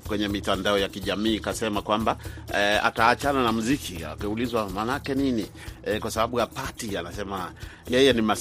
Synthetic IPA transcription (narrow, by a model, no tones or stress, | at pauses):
kwɛɲɛmitandaɔjakiʄamiːkasɛmakwambaa̰taːt͡ʃananamuzikʰia̰kiulizwamanakɛnini | ɛkwasaɓaɓujapatianasɛma | jɛjɛnima